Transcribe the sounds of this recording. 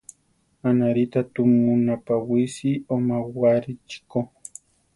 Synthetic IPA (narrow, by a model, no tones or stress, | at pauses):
anaɾɪt̪at̪ʊmʊnapawɪsɪomawaɾɪt͡ʃɪ̥ko